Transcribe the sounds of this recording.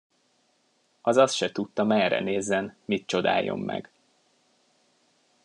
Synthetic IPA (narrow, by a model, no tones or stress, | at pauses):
ɒzɒst̪ʃɛt̪ut̪ːɒmɛrɛ̰neːzːɛnmit̪̚t͡ʃo̞d̪a̰ːjo̞̰mːɛ̰ɡ̥